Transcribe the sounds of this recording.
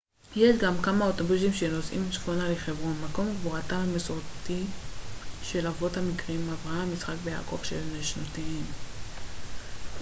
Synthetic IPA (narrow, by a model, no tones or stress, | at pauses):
jeʃɡamkamao̞to̞bus̬imʃeno̞sʔḭmʃχonaleχe̞vʁo̞nmako̞mɡvoʁatamesoʁti | ʃe̞lavo̞thamikʁimavʁahamːisχak̚beja̰ko̞vʃelneʃnotiim